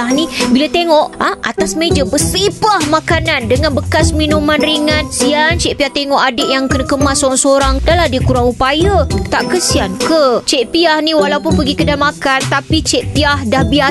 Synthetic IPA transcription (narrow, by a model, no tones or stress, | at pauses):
anibilat̪eŋɔʔaʔa̰t̪asmed͡ʒabəsipahmakanandəŋanbəkasminũmãnɾiŋãnsiant͡ʃɛʔpiaht̪eŋɔʔadeʔjaŋkənakəmasoɾaŋsəoɾaŋdalahdiakuɾaŋupajat̪aʔkəsiankət͡ʃeʔpiahnĩwalaupʊnpəɡikədamakant̪apit͡ʃeʔpiahdahbia